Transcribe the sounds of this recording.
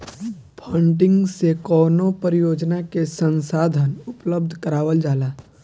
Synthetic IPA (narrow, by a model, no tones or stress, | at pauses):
pʰə̃ɳɖɪ̃ŋɡsekɔːnopəɾɪjoːd͡ʒnakesə̃nsaːd̪ʱənʊpləb̚d̪ʱkəɾaːʋəld͡ʒaːlaː